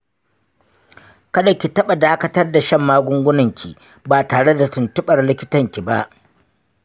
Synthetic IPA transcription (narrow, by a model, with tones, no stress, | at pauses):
kɐ˦da˨kʲi˨tɐ˦ɓa˨daː˦kɐ˦tɐ˦rda˨ʃɐ˦˨mːaː˦ɡʷʊ˦ŋɡʷʊ˦nɐ˨ŋkʲʰḭ˨ | baː˨taː˨ɽe˦da˨tʊ˨ntʊ˦ɓɐ˨rlɪ˦kʲɪ˦tɐ˨ŋkʲi˨ba˦ʔ